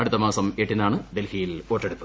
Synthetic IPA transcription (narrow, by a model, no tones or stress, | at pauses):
ɐɽut̪ːɐmaːsɐmeːʈːinaːɳɨd̪e̞lhijilo̞ːʈːeɽut̪ːu̥